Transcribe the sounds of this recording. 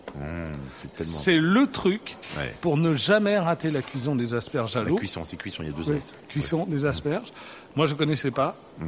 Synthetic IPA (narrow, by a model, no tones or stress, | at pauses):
sɛt̪ɛlmsɛlət̪χykɛ̰puʁnəʒamɛʁat̪elakʲɥis̬ɔ̃d̪ezaspɛʁʒalokɥisɔ̃sɛkɥisɔ̃ilja̰d̪øzwikʲɥisɔ̃d̪ezaspɛʁʒ | mwaʒəkɔnɛsɛpa